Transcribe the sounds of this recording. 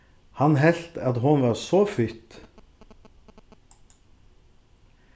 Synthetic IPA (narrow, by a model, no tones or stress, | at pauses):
hɑnɦɛɬt̪ɑt̪hʊnʋɑːʁsoːfʏt̪